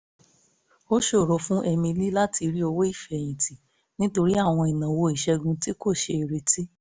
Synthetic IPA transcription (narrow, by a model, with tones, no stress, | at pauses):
o˦ʃe˦o˨ɾɔ˨˦fũ˦ʔɛ˧mĩ˧li˦la˦ti˧ɾi˦o˧wo˦i˦˨fɛ˨j̃ĩ˨ti˨ | nĩ˦to˧ɾi˦a˦˨w̃ɔ̃˧i˨nã˨wo˧i˨ʃɛ˧ɡũ˧ti˦ko˦˨ʃe˧i˨ɾe˧ti˦